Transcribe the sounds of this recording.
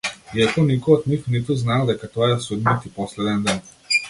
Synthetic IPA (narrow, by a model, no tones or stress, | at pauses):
iakɔnikɔjɔd̪nixnit̪uznalˠd̪ɛkat̪ɔjɛsud̪nat̪ipɔslɛd̪ɛnd̪an